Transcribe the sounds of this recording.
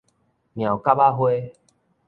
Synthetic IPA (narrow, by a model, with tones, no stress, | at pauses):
mja˨˩wka˦ba˦ɦwe˦